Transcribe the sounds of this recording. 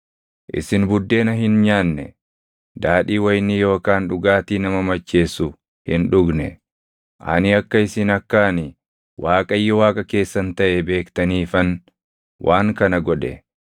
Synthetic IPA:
ʔɪ̰sɪnbʊd̪ːe̞ːnɐɦɪnɲaːnːɛ̰ | d̪aːᶑiːwɐjnːɪjo̞ːkaːnᶑʊɡaːt̪iːnɐmɐmɐt͡ʃːe̞ːsʊ | hɪnᶑʊɡnɛ | ʔɐ̰nɪɐkːɐɪsɪnɐkːaːnɪ | wʔaːkʼɐjːɔwaːkʼɐke̞ːsːɐnt̪ɐʔɛbe̞ːkt̪ɐniːfɐn | wʔaːŋkɐnɐɡɔᶑɛ̰

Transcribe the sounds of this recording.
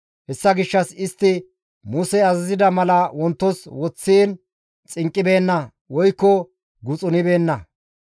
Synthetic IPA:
hɛsːɐɡɪʃːɐsɪst̪ːɪ | mʊsɛɐzɐzɪd̪ɐmɐlɐwɔnt̪ːɔswɔt͡sːiːn | t͡sʼɪŋkʼːɪbe̞ːnːɐ | wɔjkːɔ | ɡʊt͡sʼʊnɪbe̞ːnːɐ

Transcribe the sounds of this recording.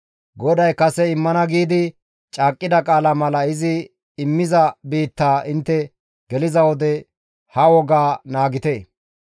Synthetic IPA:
ɡɔd̪ɐjkɐsɛɪmːɐnɐɡiːd̪ɪ | t͡ʃʼaːkʼːɪd̪ɐkʼaːlɐmɐlɐɪzɪ | ɪmːɪzɐbiːt̪ːaːʔɪnt̪ːɛ | ɡ̥ɛlɪzɐwɔd̪ɛ | hɐwɔɡaːnaːɡɪt̪eː

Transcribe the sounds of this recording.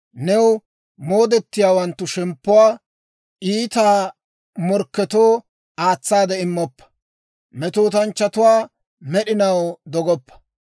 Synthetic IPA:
nɛw | mo̞ːd̪ɛt̪ːɪjaːwɐnt̪ːʊʃɛmpːʊwaː | ʔiːt̪aː | mɔɾkːɛt̪oː | aːt͡sːaːd̪ɛɪmːɔpːɐ̥ | mɛt̪oːt̪ɐnt͡ʃːɐt̪ʊwaː | mɛɗɪnɐwd̪ɔɡɔpːɐ̥

